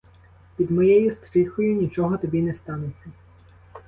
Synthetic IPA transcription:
pʲid̪mɔjɛjʊst̪ɾɪxʊjʊnʲit͡ʃɔɦɔt̪ɔbʲinɛst̪ɑnet͡sʲːɐ

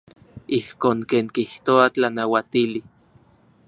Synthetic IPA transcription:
ihkoːŋkeːŋkiht̪oat͡ɬanawat̪ili

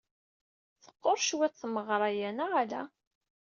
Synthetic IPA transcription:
θə̥qːoɾˤʃwæθməʁɾˤɑjænaʁælæ̰

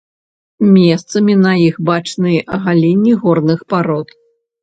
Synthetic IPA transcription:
mʲɛst̪sɐmʲinɐixbat͡ʂnɨjɛʔɐɣalʲinʲːiɣɔrnɨxpaɾɔt̪

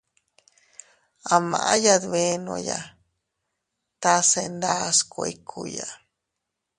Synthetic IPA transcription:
amaʔajad̪βeno̰ja | t̪asend̪askʷkʰuja

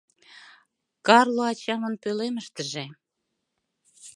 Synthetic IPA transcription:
kɑrloɑt͡ɕɑmə̆npøleməʃt̪əʒe

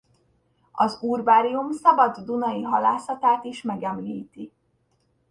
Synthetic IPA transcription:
ɒzuːrvaːɾiumsɒbɒd̪ːunɒjiɦɒlaːsɒt̪aːt̪iʃmɛɡɛmliːt̪i

